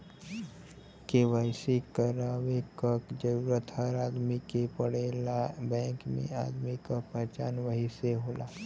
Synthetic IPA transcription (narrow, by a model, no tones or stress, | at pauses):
keʋəɪsikəɾaːʋekəkd͡ʒəɾuːɾət̪həɾaːd̪mikepəɽelabɛ̃ːŋkmḛ̃a̰ːd̪mikapɛɦt͡ʃaːnʋəɦiseɦoːlaː